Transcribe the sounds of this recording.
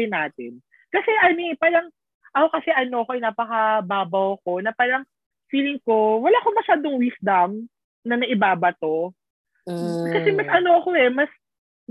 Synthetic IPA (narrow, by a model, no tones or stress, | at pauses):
ɪnaːt̪ɪ̰n | kɐsɛʔɐnipaːɾɐŋ | ʔɐokɐsɛʔɐno̞ɐkoʔɪjnaːpɐkɐbaːbɐwɐko̞nɐpaːɾɐŋ | fiːlɪŋko̞wɐlaːʔkomɐʃaːd̪oŋwisd̪ɐm | nɐmɐʔɪbaːbɐt̪o̞ | kɐsɛmɐsʔɐno̞ɐko̞ɛmɐs